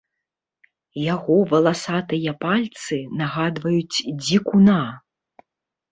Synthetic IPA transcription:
jaɣɔvɐlˠasat̪ɨjɐpalʲt̪sɨnaɣad̪vɐjut͡sʲd͡zʲikuna

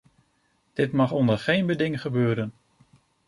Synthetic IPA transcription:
d̥ɪtmɑχɔndəɹχejnbədɪŋχəbøːɾən

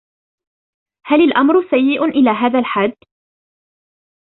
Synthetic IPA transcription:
halalʔamɾʊsajːɪʔʊʔɪlaːɦaːðalħad̪ː

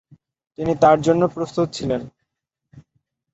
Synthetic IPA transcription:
t̪init̪aɾd͡ʑonːopɾost̪ut̪̚t͡ɕʰilen

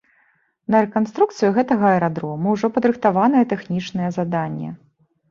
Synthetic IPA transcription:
nɐɾɛkanst̪ɾukt̪sɨjuɣɛt̪ɐɣɐɛɾad̪ɾɔmɐwʐɔpɐd̪ɾɨxt̪avanɨjɛt̪ɛxnʲit͡ʂnɨjɛzad̪anʲːɛ̰

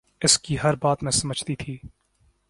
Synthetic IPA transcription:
ɪskiɦɐɾbaːt̪mẽsɐməd͡ʒʱt̪it̪ʰiː

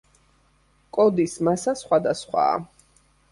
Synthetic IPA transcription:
kʼɔd̪ismasasχwad̪asχwa̰ː

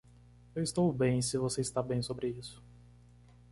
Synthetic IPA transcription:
ewist̪owbẽj̃sɪvoseist̪abẽj̃sobɾɪisʊ̥

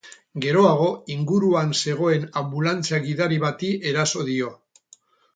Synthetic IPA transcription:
ɡe̞ɾo̞aɣ̞o̞iŋɡuɾuanse̞ɣ̞o̞e̞nambulant͡seaɣiðaɾiβat̪iʔe̞ɾaso̞ðio̞

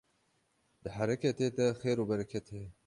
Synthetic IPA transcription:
d̪̥ɨħaɾɛkʰɛt̪eːt̪ɛxeːɾuːbɐɾɛkʰɛt̪ʰeː

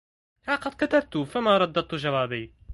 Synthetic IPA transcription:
haqɑd̪̚kat̪ab̚t̪ufamaɾˤɑd̪ːɑd̪̚t̪uʒawæːbiː

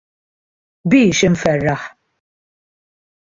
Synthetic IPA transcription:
biːʃɪɱfɛrːɐħ

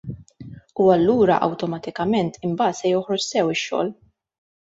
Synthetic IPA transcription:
uɐlːuːɾɐ̰ʔɐ̰wt̪ɔmɐt̪ɪkɐmɛnt̪ɪmbɐːt̪sɛjɔħɾɔt͡ʃsɛwɪʃːɔ̰ːl

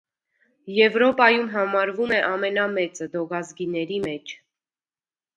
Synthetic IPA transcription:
jɛvɾɔpɑjumɦɑmɑɾvumɛʔɑmɛnɑmɛt͡səd̪ɔɡɑzɡinɛɾimɛt͡ʃʰ

